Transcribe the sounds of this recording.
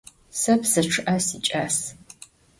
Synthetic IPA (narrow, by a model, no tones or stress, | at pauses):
sɐpsɨʈ͡ʂʰɨʔɐsit͡ʃʼaːs